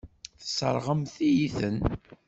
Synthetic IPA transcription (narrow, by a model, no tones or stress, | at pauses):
θə̥sə̰ɾˤʁəmθijiθən